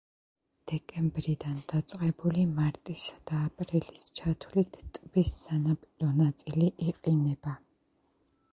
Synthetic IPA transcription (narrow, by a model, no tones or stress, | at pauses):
d̪̥ɛkʼɛmbɾid̪and̪at̪sʼqʼɛbulimaɾt̪ʼisad̪̥aːpʼɾilist͡ʃʰat̪ʰwlit̪ʰt̪ʼvisːanapʼɔnat̪sʼiliʔiqʼinɛba